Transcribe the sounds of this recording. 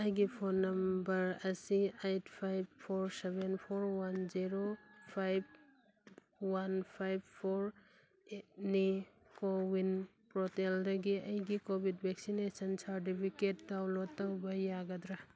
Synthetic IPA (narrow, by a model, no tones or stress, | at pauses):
ɐjɡipʰonːɐmbɐɾɐsiejtʰpʰajbpʰoɾsebenpʰoɾwanziɾopʰajb̚ | wanpʰajbpʰoɾ | eni | kowin | pɾɔteldɐɡiɐjɡikobʱid̚bʱeksinesɐnsaɾt̬ipʰiket̚dawlotːawbɐjaɡɐdɾa